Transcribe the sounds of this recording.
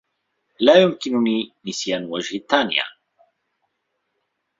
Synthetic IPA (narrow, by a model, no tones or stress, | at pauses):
laːjʊmkɪnʊniːnɪsjaːnwad͡ʒhɪt̪ːaːnɪ̰ja̰ː